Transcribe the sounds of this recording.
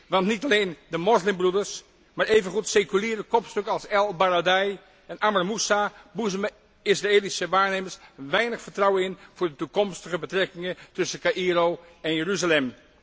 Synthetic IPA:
ʋɑntnitaleːndəmɔslɪmbrudəɹs | maːɹeːvənχutsekyliːɹdəkɔpstøkəɑlˠsɛlˠbaradɛj | ɛnʔamərmusabuzəm | ɪsraeːlisəʋaːɹneːməɹsʋɛjnəχfətrawəɪnv̥ʊːɹdətukɔmstəχəbətrɛkɪŋətɵsəkaʔiɾoːɛnjəryzalɛm

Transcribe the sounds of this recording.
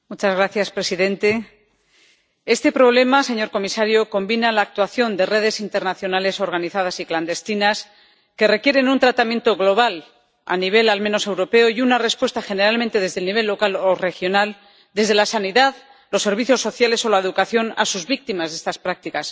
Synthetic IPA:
mut͡ʃazɣɾaθjaspɾe̞siðe̞nt̪e̞ | e̞st̪e̞pɾo̞β̞le̞mase̞ɲo̞ɾko̞misaɾjo̞ko̞mbinalaːk̚t̪waθjo̞nd̪e̞re̞ðe̞sint̪e̞ɾnaθjo̞nale̞so̞ɾɣ̞aniθað̞asikland̪e̞st̪inas | ke̞re̞kje̞ɾe̞nunt̪ɾat̪amjẽ̞nt̪o̞ɣlo̞β̞al | a̰niβ̞e̞lalmeno̞se̞wɾo̞pe̞ojunare̞spwe̞st̪axe̞ne̞ɾalmẽnt̪e̞ð̞e̞zðe̞lniβe̞lːo̞kalore̞xjo̞nal | d̪e̞zð̞e̞lasaniðað | lo̞sːe̞ɾβiθjo̞sːo̞θjale̞so̞lae̞ðukaθjo̞na̰suzβik̚t̪imazðe̞st̪aspɾak̚t̪ikas

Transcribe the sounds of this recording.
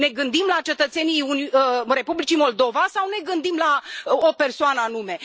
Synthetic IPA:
ne̞ɡɨnd̪imlat͡ʃe̞t̪ət̪se̞nijunre̞publit͡ʃimo̞ld̪o̞vasawne̞ɡɨnd̪imlaope̞rsoanəanume̞

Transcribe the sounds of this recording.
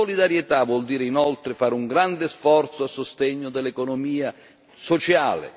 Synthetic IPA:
olid̪aɾjet̪avwɔld̪iːɾeinɔlt̪ɾɪfaːɾuŋɡɾand̪ɪsfɔrt̪soasːost̪ɛɲːʊd̪ɛlːekonomiːa | sot͡ʃa̰ːlɪ̰

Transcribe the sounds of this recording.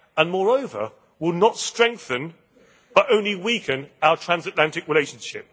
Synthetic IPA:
ə̃nmɔːɹəʊvə̰ | wɪlˠnətstɹ̥ɛ̃ŋk̚θə̃n | b̥ʌɾə̃ʊ̃nliwiˑkʰə̃naʊətʰɹ̥ãnzətlãntɪkɹɪleɪʃə̃nʃɪp̚

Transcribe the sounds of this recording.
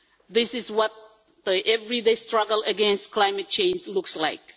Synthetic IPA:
ðɪsɪzwʌt̪̚ | ðəʔɛvɹideɪstɹ̥ʌɡəl̩əɡɛ̃nstkʰlaɪmɨt̚t͡ʃʰẽɪ̃nd͡ʒlʊksla̰ɪk̚

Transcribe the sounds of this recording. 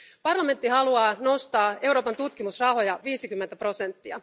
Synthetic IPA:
pɑrlɑment̪ːihɑluɑːno̞st̪ɑːe̞uwɾo̞ːpɑnt̪ut̪k̟imusrɑho̞jɑʋiːsikymːent̪æpro̞se̞nt̪ːiɑ̰

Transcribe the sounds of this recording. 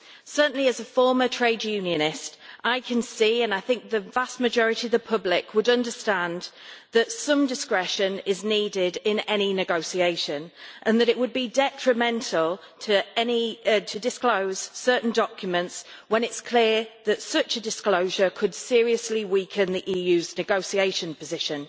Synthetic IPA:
sɜˑ˞ʔn̩liəzəfɔːmətʰɹ̥eɪdjʉːnjə̃nɪstʔaɪkʰə̃nsiːə̃naɪθɪ̃ŋk̚ðəvast̚məd͡ʒɒɹɪtiəvðəpʰʊblɪkʰwədʌ̃ndəstãnðətsʌ̃mdɪskɹɛʃə̃nɪzniːdɪdɪ̃nɛñinɪɡoʊsieɪʃə̃nʔə̃nðəɾɪʔwəd̚bidɛtɹ̥əmɛ̃ntʰəl̩ˠ | tʰəɛnitʰədɪskloʊz̥sɜˑʔn̩dɒkjəmə̃ntswə̃nɪtskʰl̥ɪəðətsʌt͡ʃədɪskloʊʒəkʰəd̥sɪəɹiəsliwiˑkʰə̃nðiʔiːjʉːznɪɡoʊsieɪʃə̃npʰəzɪʃə̃n

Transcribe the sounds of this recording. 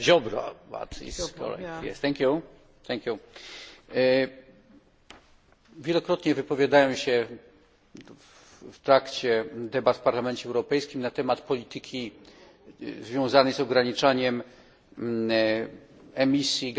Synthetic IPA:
ʑɔbɾa̰ba̰t̪ḭskɔ̰lɛ̰jɛ̰st̪ɛŋkʲju | t̪ɛŋkʲju | vʲjɛlɔkɾɔt̪ɲɛvɘpɔvʲjad̪ajɔ̃w̃ɕɛ | ft̪ɾakt͡ɕɛd̪ɛbat̪fpaɾlamɛnt͡ɕɛːwɾɔpɛjskʲimnat̪ɛmat̪pɔlʲit̪ɘkʲi | zvʲjɔ̃w̃zanɛjzɔɡɾaɲit͡ʂaɲɛm | ɛmʲisʲjiɡ

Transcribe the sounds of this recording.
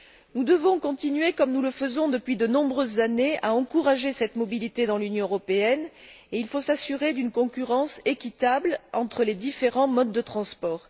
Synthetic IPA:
nud̪əvɔ̃kɔ̃t̪inɥekɔmnuləfəzɔ̃d̪əpɥid̪ənɔ̃bʁøzːaneaɑ̃kuʁaʒesɛt̪mɔbilit̪ed̪ɑ̃lynjɔ̃øʁɔpeɛneilfosasyʁed̪ynkɔ̃kʲyʁɑ̃sekʲit̪ablɑ̃t̪χəled̪ifeʁɑ̃mɔd̪ːət̪χɑ̃spɔːʁ

